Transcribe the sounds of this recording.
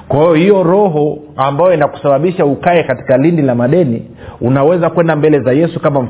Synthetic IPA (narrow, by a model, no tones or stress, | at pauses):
kwahiɔhijɔɾɔɦɔ | ambajɔinaku̥saɓaɓiʃaukaɛkati̥kalindilamaɗɛni | unawɛzakwɛndambɛlɛzajɛsukamam̩